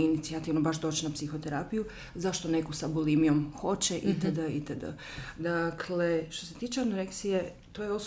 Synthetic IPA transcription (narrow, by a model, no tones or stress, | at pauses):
init̪siat̪iʋnobaʃd̪o̞ːt͡ɕinapsixo̞t̪e̞ɾapiju | zaʃt̪o̞ne̞kosabolimijo̞mxo̞t͡ɕe̞ʔit̪əd̪əit̪əd̪ə̰ | d̪akʰle̞ʃt̪o̞se̞t̪iːt͡ʃeanoɾek̪sije | t̪ojeos